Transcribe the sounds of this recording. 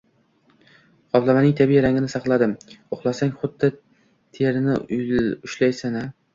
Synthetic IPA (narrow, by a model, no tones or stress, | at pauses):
qɒblˠamanɪŋt̪ʰabijɾaŋʲɪnɪsɑχlˠad̪ɪmoχlˠasaŋχʊd̪ːɪ | t̪ʰeɾɪnɪ̰ʊjʊʃlajsana